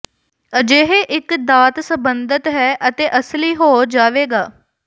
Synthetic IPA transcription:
əd͡ʒeːɦeːʔɪkd̪aːt̪səbənd̪ət̪ɦɛːʔət̪eːʔəsliːɦoːd͡ʒaːʋeːɡaː

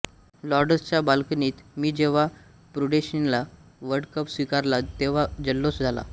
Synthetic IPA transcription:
lɔɾɖəst͡ɕjabalkəniːt̪miːd͡ʑeʋ̤a | pɾuɖeɕinlaʋəɾɽkəpsʋikaɾlat̪eʋ̤ad͡ʑəlːot͡sd͡zʱala̰

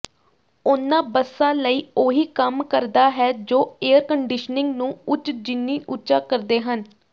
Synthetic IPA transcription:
ʊnːãːbəsːãːləiːoːɦiːkəmkəɾd̪aːɦɛːd͡ʒoːeːəɾkəɳɖɪʃnɪ̃ŋɡnũːʊt͡ʃd͡ʒɪnːiːʔʊːt͡ʃaːkəɾd̪eːɦən

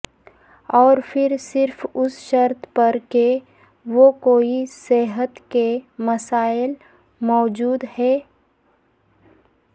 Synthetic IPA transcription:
ɔːɾpʰɪɾsɪɾfʊsʃəɾt̪ʰpɐɾke | ʋokoːisɛːɦət̪kemɐsaːɪl | mɔːd͡ʒuːd̪hɛː

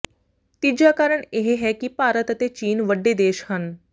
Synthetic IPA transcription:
t̪id͡ʑjakaɾəɳeɦeɦɛkiːpaɾət̪ət̪et͡ɕiːnʋəɖːed̪eːɕhən

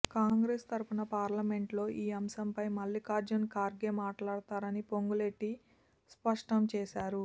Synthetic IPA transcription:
kaːŋɡɾeːst̪ɐɾupunɐpaːɾlɐme̞ɳʈlo̞ːʔiːɐmsɐmpɐjmɐlːiːkaːɾd͡ʒɐnkaːɾɡeːmaːʈlaːɽut̪aːɾɐnipo̞ŋɡule̞ʈːi | spɐʂʈɐmt͡ʃɛːʃaːɾu

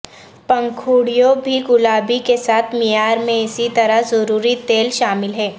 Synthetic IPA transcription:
pɐ̃ŋkʰuːɽijõbʱiɡʊlaːbikesaːt̪ʰmijaːɾmẽɪsit̪ɐɾazɐɾuːɾit̪eːlʃaːmɪlɦɛː

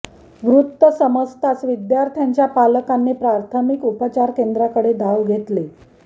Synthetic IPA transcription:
ʋɾut̪ːəsəməst̪asʋid̪jaɾt̪ʰjaɲt͡ɕjapaləkanːiːpɾaɾt̪ʰəmikupət͡ɕaɾkend̪ɾakəɽed̪aʋɡʱet̪le

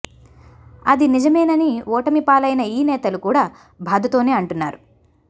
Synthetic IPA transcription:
ɐd̪inid͡ʒɐmɐjnɐniɔːʈɐmipaːlɐjnɐiːnɛːt̪ɐlukuːɽaː | bʱaːd̪ɐt̪o̞ːne̞ːɐɳʈunːa̰ːɾu

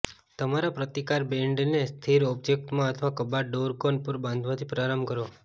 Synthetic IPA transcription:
t̪əmaɾapɾət̪ikaɾbẽɳɖnest̪ʰiɾɔp̚d͡ʒek̚t̪mãət̪ʰəʋakəbaɖoɾkonpəɾbãnd̪ʱʋat̪ʰipɾaɾəmkəɾo

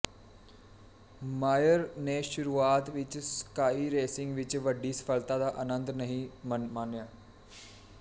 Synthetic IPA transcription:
maːjəɾneʃʊɾuːaːt̪ʋɪt͡ʃskaːiɾeːsɪ̃ŋɡʋɪt͡ʃʋəɖisɐ̥fʰəlt̪ad̪aʔɐnə̃nd̪nɐɦĩmmaːnjaː

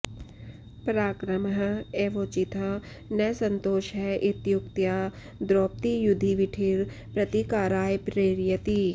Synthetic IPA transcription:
pɾaːkɾəmɦeːʋoːt͡ʃɪt̪ʰə | nɐjsənt̪oːʃɦɛʔɪt̪jʊkt̪jaː | d̪ɾoːp̚t̪ijʊd̪ʱiʋɪʈʰiːɾ | pɾɐt̪ikaːɾaːjpɾeːɾɪjət̪i

